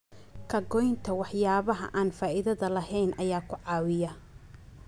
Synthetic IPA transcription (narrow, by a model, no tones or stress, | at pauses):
kʰɐɡɔjnt̪ʰɐwɑħjaːβɐɦɐ̰ʔaːnfaːʔɪðɐðɐlɐɦɛjnʔɐjaːkʰʊʕɑːwɪjɐ